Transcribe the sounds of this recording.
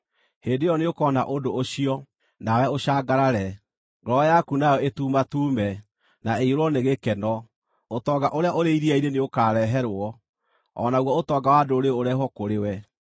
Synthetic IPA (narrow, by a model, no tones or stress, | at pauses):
heːndejɔneokɔnaʔondoːɕiɔ | nawɛoɕaːɡaɾaɾɛ | ŋɡɾɔjakunajɔetuːmatuːmɛ | naeiɾwɔneɣekɛnɔ | otɔːɡaʔoɾeaʔoɾeiɾiaiɾeneokaːɾɛɦɛɾoɔ | ɔ̰naɣwɔotɔːɡawadoɾeoɾɛɦɔkoɾewɛ